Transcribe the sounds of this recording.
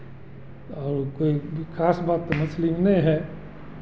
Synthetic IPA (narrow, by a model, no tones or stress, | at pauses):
ɔːɾkoːikʰaːsbaːt̪ːmʊslimnɐĩɦɛː